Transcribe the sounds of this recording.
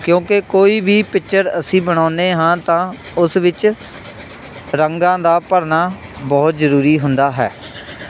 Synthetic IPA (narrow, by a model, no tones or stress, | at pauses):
kjõːkekoːiːbʱiːpɪkt͡ʃəɾəsĩːbəɽ̃aːneːɦãːt̪ãː | ʊsʋɪt͡ʃ | ɾəŋɡãːd̪aːpəɾnaːbɔːt̪zəɾuːɾiːɦʊnd̪aːɦɛ̰ː